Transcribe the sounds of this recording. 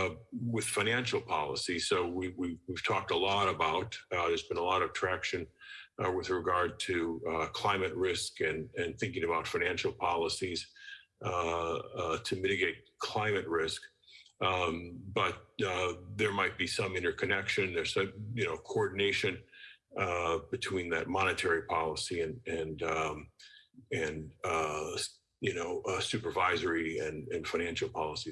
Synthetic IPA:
wɨð̥faɪ̃næ̃nʃl̩ˠpʰɑ̰lˠəsisoʊwiwiwiv̥tʰɔk̚təlɔɾəbaʊt̚ðə˞zbɨ̃nəlɔɾʌvtʰɹ̥ækʃɨ̃nwɨðɹɨɡɑɹd̚tʰɨkʰl̥ãɪ̃mɨt̚ɹɪskɨ̃nɨ̃nθɪ̃ŋkɪ̃ŋɨbaʊtfaɪñæ̃nʃl̩ˠpʰɑlˠəsiz̥ | tʰɨmɪɾɨɡeɪt̚kʰl̥ãɪ̃mɨt̚ɹɪsk | b̥ʌt̪̚ðə˞maɪt̚b̥isʌ̃mɪ̃ɾ̃ə˞kʰɨnɛkʃɨ̃nðə˞z̥ʌ̃jɨnoʊkʰoɔɹdⁿn̩eɪʃɨ̃n | bɨtʰw̥ĩnðɨ̰t̚mɑñɨtʰɛɹipʰɑlˠəsiɨ̃nɨ̃n | ɨ̃n | jɨnoʊsʉpə˞vaɪzə˞iɨ̃nɨ̃nfãɪ̃næ̃nʃl̩ˠpʰɑlˠəsi

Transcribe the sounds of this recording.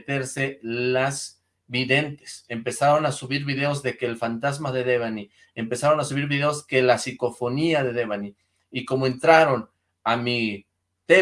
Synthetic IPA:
t̪e̞ɾse̞laz | βiðe̞nt̪e̥sempe̞saɾo̞nasuβiɾβiðe̞ozðe̞keːlfant̪azmaðe̞ðeβani | empe̞saɾo̞nasuβiɾβiðe̞oske̞lasiko̞fo̞niaðe̞ðeβaniː | ko̞moe̞nt̪ɾaɾo̞n | ami | t̪e

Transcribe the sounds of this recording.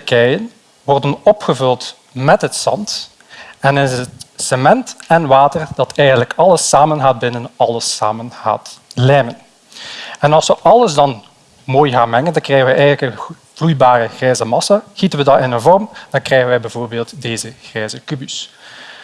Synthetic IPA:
təkɛjən | ʋɔrdənɔpχəvɵlˠt | mɛtɦətsɑ̰nt | ɛnɪnətsəmɛntɛnʋaːtərd̥ɑtʰɛjɣəndləkɑləsaːmənɣaːd̚bɪnənɑləsa̰ːmənɣa̰ːtlɛmən | ɛnɑlˠsəʔɑlˠəzdɑn | moːjɣaːnmɛŋəndɑŋkrɛjɣənʋɛʔɛjɣənləkə | v̥lujbaːrəɣrɛjzəmɑsaɣitənʋədɑtɪnənvɔrmd̥ɑnkrɛɣənʋɛjbɛvoːrbeːlˠtdeːzəɣrɛːzəkybys

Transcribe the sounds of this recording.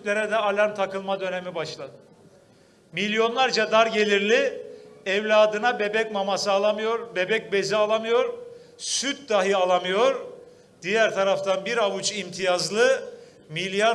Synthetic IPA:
t̪lʲe̞ɾɛd̪ɛalʲaɾmt̪ʰakɯlˠmad̪ø̞ne̞mibaʃlˠad̪ɯ | milʲjo̞nlˠaɾd͡ʒad̪aɾɟe̞lʲiɾlʲiɛvlʲaːd̪ɯnabe̞bɛcmamasɯːlˠamɯjo̞ɾbe̞bɛc̚be̞zialˠamɯjo̞ɾ | syt̪̚d̪aɦɯalˠamɯjo̞ɾ | d̪̥ijæɾt̪ʰaɾaft̪ʰanbiɾavut͡ʃimt̪ʰijazlˠɯ | milʲjaɾ

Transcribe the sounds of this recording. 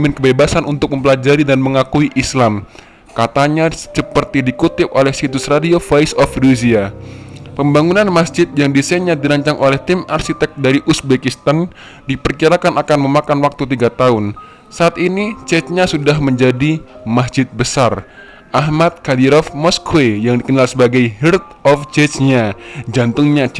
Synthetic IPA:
mɪnkəbebasanunt̪ʊk̚məmpəlad͡ʒaɾidanməŋakuiʔislam | kat̪aɲassəpərt̪idikut̪ɪp̚olɛhsit̪ʊsradiofaisɔfduzia | pəmbaŋunanmasd͡ʒɪt̪̚jaŋdiseɲadiɾaɲt͡ʃaŋʔolɛht̪imarʃit̪ɛk̚daɾiʔusbekist̪an | dipərkiɾakanakanməmakanwak̚t̪ut̪iɡat̪aʊn | saːt̪init͡ʃɛt͡ʃɲasudaɦməɲd͡ʒadimasd͡ʒɪt̪̚bəsar | ʔaɦmat̪̚kadiɾɔfmɔskuejaŋdikənalsəbaɡajɦirt̪̚ɔft͡ʃɛt͡ʃɲad͡ʒant̪ʊŋɲa

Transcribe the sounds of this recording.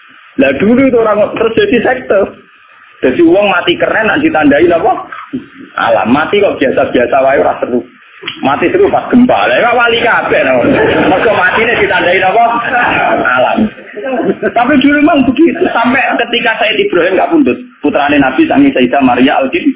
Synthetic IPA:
lad̪̥uluit̪̬uoɾaŋt̪ɾʊsd̪̥ad̪isɛk̚t̪ɔr | d̪̥a̤t̪iwɔŋmat̪ikərɛnːaʔd̪̥i̤t̪andainɔpɔ | ʔa̰la̰mːat̪ikɔʔb̥iasab̥iasawajuɾasəɾu | mat̪isəɾufas̚ɡ̥əmba̰laekaʔwalikab̥ɛʔnamərɡ̥ɔmat̪ined̪̥i̤t̪andainɔpɔ | ala̰m | t̪apid̪̥ulumaŋbəkiusampɛʔkət̪ikasajɪt̪ib̥ɾaɦɪmkapund̪ʊt̪̚put̪ɾanenab̥i̤saŋisaid̪amaɾiaʔalkɪn

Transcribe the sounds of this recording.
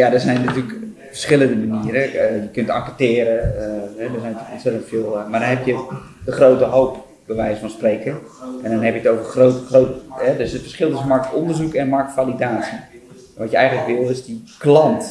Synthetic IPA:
jadəzɛjnːatylək | fərsχɪləndəməniəɾəjəkøntɑŋkətɪːɾəɦɛdəsɛjntykɔnsɪtəntfɪlˠmadɔnɦɛpjə | dəχrowtəɦowp | b̥əʋɛjsfɔnsprejkənɛndɔnɦɛpjətowvərχrotəχrowtɛdɵsətfə̥rsχɪlˠtʏsənmɑrk̚tɔndərzukɛnmɑrk̚tfalidaːsi | ʋɔtjəɛjχənləkʋɪlˠɪzdiklɑnt

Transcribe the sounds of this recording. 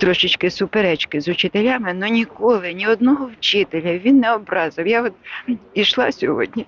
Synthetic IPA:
t̪ɾɔʃɪt͡ʃkɪsʊpeɾɛt͡ʃkɪzʊt͡ʃɪt̪elʲamɪnɔnʲikɔlˠɪnʲiɔd̪nɔɦɔwt͡ʃɪt̪elʲɐʋʲinːɛɔbɾɑzɪwjaɔt̪iʃlˠɑ̰sʲɔɦɔ̰dʲnʲi

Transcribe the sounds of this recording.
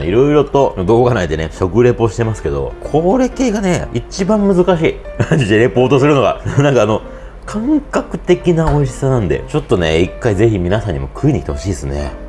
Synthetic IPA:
iɾo̞iɾo̞t̪o̞d̪o̞ːɡanaid̪e̞neɕo̞kɯ̟ɾe̞pːoɕi̥t̪e̞masɨ̥ke̞d̪o̞̰kʰo̞ːɾe̞ke̞ːɡane̞it͡ɕibãmmɯ̟zɨkaɕiːad͡ʑid̪eɾe̞po̞ːt̪o̞sɨɾɯ̟no̞ɡa̰nãŋkaːno̞ | kʰãŋkakɯ̟̥t̪e̞kʲinao̞iɕi̥sanãnd̪e̞̰t͡ɕo̞t̪ːo̞ne̞̰ikːaize̞çimʲinasãɲ̟ːḭmo̞kʰɯ̟iɲ̟iit̪eɦo̞ɕiːd̪esɨne̞̰

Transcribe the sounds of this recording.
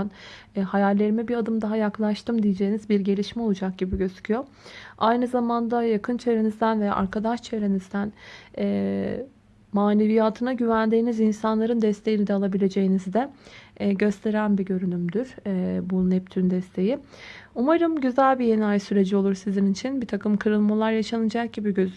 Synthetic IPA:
nhajalʲːe̞ɾimɛbiɾad̪ɯmd̪aɦajaklˠaʃt̪ʰɯmd̪ijed͡ʒe̞jinizbiɾɟe̞lʲiʃmɛolˠud͡ʒak̚ɟibiɟø̞zy̥cʰyjo̞ | ajnɯzamand̪ajakʰɯnt͡ʃʰe̞vɾe̞nizd̪ænvɛʔa̰ɾkʰad̪aʃt͡ʃʰevɾe̞nizd̪ænɛː | maːne̞vijaːt̪ʰɯnaɟyvænd̪iːnizinsanlˠaɾɯnd̪ɛst̪ʰe̞jinid̪ɛaːlˠabilʲe̞d͡ʒe̞jinizd̪ɛɟø̞st̪ʰe̞ɾænbiɟøɾynymd̪yɾ̥bunɛp̚t̪ʰynd̪ɛst̪ʰe̞jiumaɾɯmɟyzælʲbije̞najsyɾe̞d͡ʒio̞lˠuɾsizinit͡ʃʰinbit̪ʰakɯmkʰɯɾɯlˠmalˠaɾjaʃanɯd͡ʒak̚ɟibiɟø̞zy

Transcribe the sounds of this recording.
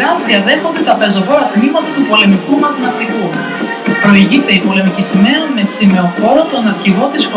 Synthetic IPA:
ɐst̪iɐðe̞xot̪it̪ɾɐpe̞zoɣoɾɐθnimɐt̪ɐt̪upo̞le̞mikumɐznɐkt̪iku | pɾo̞iʝit̪e̞ipo̞le̞micisimeɾɐme̞sime̞oxo̞ɾot̪onɐɾçiɣo̞t̪isp

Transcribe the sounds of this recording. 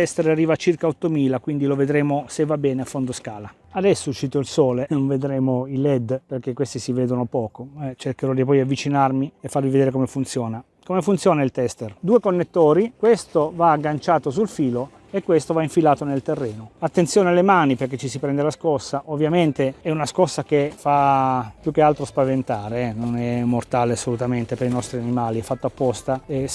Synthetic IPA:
t̪ɛst̪eɾarːiːvat͡ʃirkaɔt̪ːomiːlakwind̪iloved̪ɾeːmosevːabːɛːneafːond̪oskaːla | ad̪ɛsːout͡ʃːiːt̪oilsɔːlenoɱved̪ɾeːmoilɛd̪perk̟ekːwest̪isivɛːd̪onopɔːkoɛt͡ʃerkeɾɔd̪ipɔjiavːit͡ʃinarmiefːarmived̪eːɾekomefunt̪sjɔːna | komefunt̪sjɔːnailt̪ɛst̪erd̪uːekonːet̪ːoːɾikwest̪ovaːɡːant͡ʃaːt̪os̬ulfiːlo | ekːwest̪ovaiɱfilaːt̪onelt̪erːɛːnoat̪ːent̪sjoːnealemaːniperk̟ːet͡ʃːisipɾɛnd̪elaskɔsːaʔovːjament̪eɛunaskɔsːakefapjuk̟ːealt̪ɾospavent̪aːɾenonɛmːort̪aːleasːolut̪ament̪epeɾinɔst̪ɾianimaːliɛfːat̪ːoapːɔst̪ae

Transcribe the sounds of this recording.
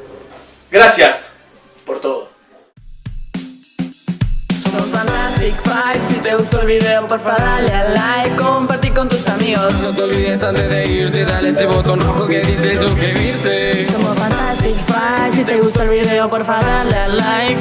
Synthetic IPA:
ɡɾasjas | poɾt̪oðo | somofant̪ast̪ikfajvsit̪eɣust̪oɾβiðeopoɾfaðaʎalajkompaɾt̪iɾkõnt̪uskamiɣosnõw̃t̪eolβiðẽnsãnt̪eðeiɾt̪eðaɾesɪβot̪õnokokeðisezokeβiɾt̪esomofãnt̪ast̪ikfajjvsit̪eɣust̪aɾβiðeopoɾfaðaʎalaj

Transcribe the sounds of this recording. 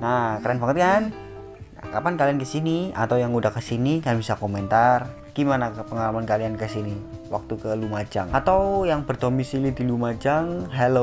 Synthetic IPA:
nakaɾanpaŋət̪kan | nakapankaliankəsinia̰t̪awjaŋudahkəsinikajabisakoment̪ar | ɡ̥imanapəŋalamankaliankəsiniwak̚t̪ukəlumat͡ʃaŋat̪awjaŋpərt̪omisilid̪ilumat͡ʃaŋɦɛlo

